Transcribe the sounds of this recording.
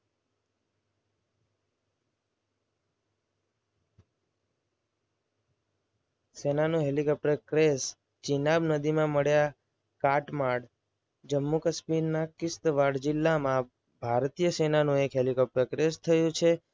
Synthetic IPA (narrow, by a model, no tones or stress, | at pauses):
senanũɦelikɔp̚ʈəɾkɾes | t͡ʃinabnəd̪imãməɽja | kaʈmaɽ | d͡ʒəmːukəsmiɾnakɪst̪ʋaɽd͡ʒɪlːamã | bʱaɾt̪ijəsenanũekɦelikɔp̚ʈəɾkɾest̪ʰəjũt͡ʃʰe